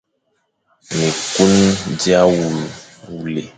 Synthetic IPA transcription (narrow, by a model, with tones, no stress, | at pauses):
mĩ˨ku˦n˦d͡ʒi˦a˦wu˨wu˨le˨